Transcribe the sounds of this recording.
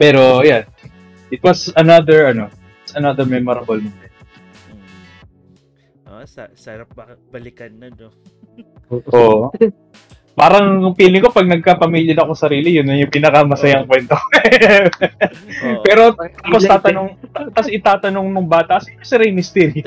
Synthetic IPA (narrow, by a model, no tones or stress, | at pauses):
pɛːɾo̞jan | ʔɪt̪̚wɐsɐnad̪ɛɹɐno̞ɪwɐsɐnad̪əɹmɛmoɾɐbɐlmɛnd̪ɛn | m | ossɐɾap̚ | bɐlɪkɐnːɐn | ʔoʔ | paːɾɐŋʊŋpiːlɪŋko̞pɐɡ̚nɐɡ̚kapɐmiljɐnɐkosɐɾiːlɪjʊnːɐjʊŋpɪnɐkɐmɐsɐjaɐŋkwɛnt̪o | pɛːɾo̞t̪t̪apost̪aːt̪ɐnoŋt̪ɐt̪ɐsɪt̪aːt̪ɐno̞ŋnʊŋbaːt̪ɐʔɐsɪkɐsɪɾɐjmɪst̪ɛɾj